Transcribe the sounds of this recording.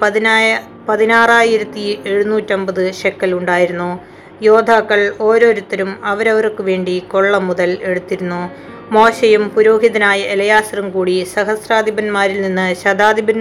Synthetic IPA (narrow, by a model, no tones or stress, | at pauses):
pɐ | pɐðinaːraːjiɾɐt̪ːie̞ɻunuːtːo̞mbɐðɨɕekːɐluɳɖaːjiɾunːu | jo̞ːd̪ʱaːkːɐɭo̞ːɾo̞ːɾut̪ːɐɾumɐʋɐɾɐʋɐrkːɨʋe̞ːɳɖiko̞ɭːɐmːuðɐle̞ɽut̪ːiɾunːu | mo̞ːɕɐjumpuɾo̞ːɦiðɐnaːjɐelɐjaːsrɐmkuːɽisɐɦɐsraːd̪ibɐnmaːɾilninːɨɕɐd̪aːd̪ibɐn